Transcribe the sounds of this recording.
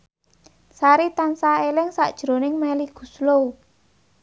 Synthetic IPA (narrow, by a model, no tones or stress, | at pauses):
saɾit̪ansaelɪŋsa̰ʔd̥ʒ̥ɾo̤nɪŋmɛliɡ̥ṳslou